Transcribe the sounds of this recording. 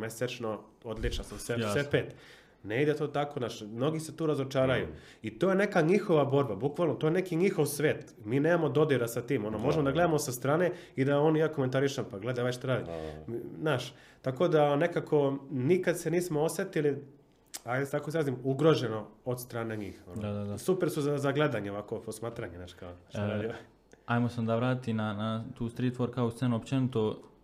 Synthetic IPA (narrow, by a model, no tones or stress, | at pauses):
meset͡ʃnood̪lit͡ʃnasosesepeːt̪ | neid̪et̪ot̪ako̞naːʃmno̞ɡiset̪uːɾazo̞t͡ʃaːɾajṵ | it̪oːje̞ne̞kaɲixo̞ʋabo̞ɾbabukʋalnot̪ojenekiɲixo̞ʋsʋeːt̪ | miːneːmamo̞d̪o̞d̪iɾasat̪iːmo̞nomo̞ʒemod̪aɡle̞d̪amosast̪ɾaːne̞ | id̪aoːnjaːko̞ment̪aɾiʃampaɡle̞d̪aajʃt̪aɾaːd̪imnaːʃ | t̪ako̞d̪ane̞kakʰo̞nikad̪seniːsmo̞osjet̪ili | ajast̪akoizɾaːzimuɡɾo̞ʒeno̞od̪st̪ɾaːneɲiːxonoad̪asupeɾsuzazaɡle̞d̪aɲeoʋako̞posmaːt̪ɾaɲenaːt͡ʃkaot̪aɾaːdia | ajmoseond̪aʋɾaːt̪it̪inanat̪uːst̪ɾiːt̪ʋoɾkaoust̪senuopt͡ʃenit̪o